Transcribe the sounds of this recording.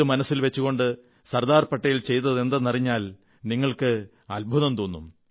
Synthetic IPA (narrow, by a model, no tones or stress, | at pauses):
umɐnɐsːilʋet͡ɕːuɣo̞ɳɖɨ | sɐrd̪aːrpɐʈːɐjilt͡ɕe̞jt̪ɐðe̞nd̪ɐnɐriɲːaːl | niŋːɐɭkɨ | ɐlbʱuðɐmt̪oːnːum